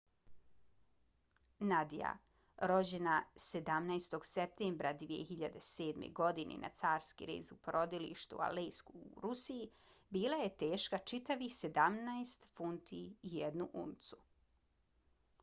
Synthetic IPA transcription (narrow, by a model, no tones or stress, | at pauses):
nad̪ija̰ | ɾo̞d͡ʑe̞nase̞d̪amnajst̪o̞ɡsep̚t̪eːmbɾad̪ʋijḛxiʎad̪e̞se̞ːd̪mḛɡo̞d̪inḭnʔa̰t̪saːɾskḭɾḛːzupoɾʔo̞d̪ilḭʃt̪ṵa̰lejskuːɾusiji | biːlˠaje̞t̪e̞ːʃkat͡ʃit̪aʋise̞d̪amnaest̪funt̪ʰiːjed̪nuʔṵnt̪su